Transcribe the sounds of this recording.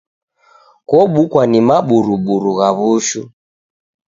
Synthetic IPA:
kɔɓukwanimaɓuɾuɓuɾuɣaβuʃu

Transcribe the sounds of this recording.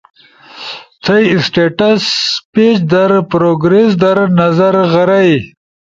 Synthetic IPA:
t͡s̪ʰɐjsʈeʈɐspet͡ʃd̪ɐɾpɾoɡɾes̬d̪ɐɾnɐzɐɾɣɐɾɐj

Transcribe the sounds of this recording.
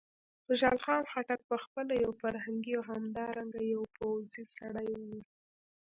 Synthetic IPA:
xʊʒɑlxɑnxaʈak̚pəxpəlajawfaɾhaŋɡiawɦamd̪ɑɾaŋɡajawpʰawzisaɽajwi

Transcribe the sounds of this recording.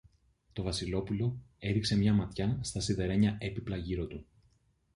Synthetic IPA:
t̪o̞vɐsilo̞pulo̞e̞ɾikse̞mɲɐmɐt̪çɐst̪ɐsiðe̞ɾe̞ɲɐe̞piplɐʝiɾo̞t̪u

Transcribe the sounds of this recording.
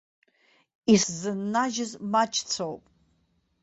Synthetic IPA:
iszɨnːaʒɨzmat͡ʃʰʼt͡sʰowpʼ

